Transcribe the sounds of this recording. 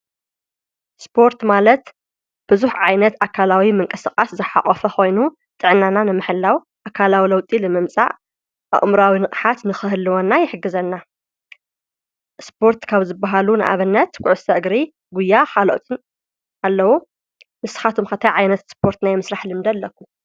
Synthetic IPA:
spʰo̞ɾt̪malɐt̪ | b̥ɨzuħʕajnɐt̪akʰalawimɨŋkʼɐsɨkʼaszɨħa̰χʼɔfɐxo̞jnu | t̪ʼɨʕnːananɨmɨħɨlːaw | ʔakʰalawilɐwt̪ʼilɨmɨmt͡sʼa̰ʕ | ʔa̰ʔʼmɾawinɨχʼħat̪nɨxɨhɨlːɨwonːajɪħɨɡːɨzɐnːa | spʰo̞ɾt̪kʰaβzɨbːaɦalunɨʔa̰βɨnːɐt̪ɡʊʕɨsɐʔɨɡɾi | ɡujːaxalo̰t̪ʼɨn | alːɐwu | mɨsɨ̥xat̪ʰumxɐt̪ʰajʕajnɐt̪spʰo̞ɾt̪najmɨsɾaħlɨmd̪ɐlːɐkːu

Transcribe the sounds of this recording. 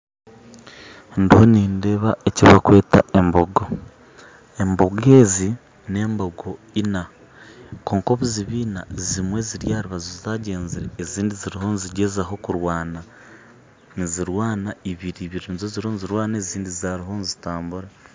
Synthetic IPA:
ndiho̞niːnde̞βaeciβakwe̞ːtaʔe̞mboɡo | e̞mbo̞ɡe̞ːzi | ne̞ːmboɡo | ina | koːŋko̞βuziβiːnazimwe̞ziɾjaːɾiβazozzaɟe̞ːnziɾeːziːndiziɾiho̞nziɟe̞zaɦo̞kuɾwaːna | niziɾwaːnaiβiɾiβiɾinzoziɾonziɾwaːnaeːziːndizaɾiɦo̞nzitaːmbuɾa

